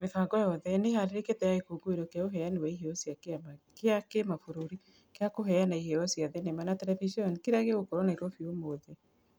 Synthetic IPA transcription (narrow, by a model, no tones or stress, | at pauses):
mefaɡɔjɔðɛneɦaɾeɾeketɛjaekoɡoeɾokaoɦɛjanewaiɦeɔsjakkeakemafuɾuɾi | keakoɦɛjanaiɦeɔsjaðenemanatɛlɛviʃiɔnkiɾaɣeɣokoɾɔnaiɾwɔfiomoðɛ